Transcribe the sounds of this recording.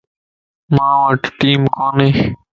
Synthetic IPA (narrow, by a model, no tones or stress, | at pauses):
mãːʋəʈʈiːmkoːnẽː